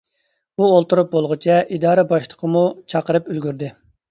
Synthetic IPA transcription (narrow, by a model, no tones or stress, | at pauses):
uolˠt̪uɾup̚bolˠʁʊt͡ʃʰɛʔid̪ɑːɾɛbɑʃlˠəqʰəmut͡ʃʰɑqəɾɨpylɡʲyɾd̪ɪ